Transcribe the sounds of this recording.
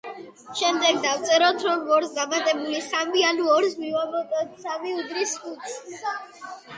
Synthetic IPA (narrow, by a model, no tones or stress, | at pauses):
ʃɛmd̪ɛɡ̚d̪awt̪sʼɛɾɔt̪ʰɾɔnvɔɾsd̪amat̪ʼɛbulisamianuɔɾsmivamɔt̪ʼɛt̪samiud̪ɾiskut̪s